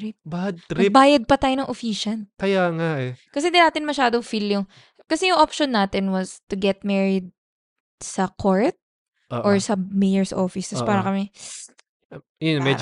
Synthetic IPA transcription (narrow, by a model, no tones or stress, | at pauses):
ɾip̚bad̪̚t̪ɾbaːjɐd̪̚pɐt̪aːjonɐŋʔofiːʃɐnkɐjaŋaʔɛkɐsɛnd̪ɪnaːt̪ɪnmɐʃaːd̪oŋfiljoŋ | kɐsɛjʊŋʔopʃonːaːt̪ɪnwɐst̪ʊɡɛt̪̚mɛɹɪd̪̚ | sɐkʰoɹt̪̚ | ʔoʔɔɹsɐmɛjɛɹsʔo̰fɪst̪ɐspaːɾɐkɐmɛ | ɛnmɛd͡ʒ